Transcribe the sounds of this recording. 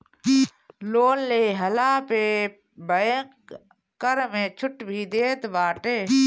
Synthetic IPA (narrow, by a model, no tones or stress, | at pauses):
loːnleːɦəlaːpe | bəẽ | kəɾmẽːt͡ʃʰʊʈbʱid̪eːt̪baːʈeː